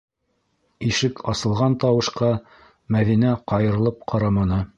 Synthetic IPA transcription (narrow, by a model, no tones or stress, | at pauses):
iʃɘkʰɑsɤ̆lˠʁɑnt̪ɑwɤ̆ʃqɑ | mæðinæqɑjɤ̆ɾɤ̆lˠɤp̚qʰɑɾɑmɑnɤ